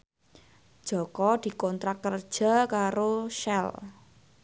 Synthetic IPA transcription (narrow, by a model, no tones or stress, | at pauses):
d̥ʒ̥ɔ̤kɔd̪̥i̤kɔnt̪ɾakərd̥ʒ̥a̤kaɾoʃɛl